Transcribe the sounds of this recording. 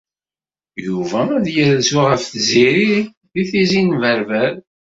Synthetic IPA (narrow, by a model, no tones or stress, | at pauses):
juvææðjəɾzuʁəfθziɾi | ðiθizinvəɾvæɾ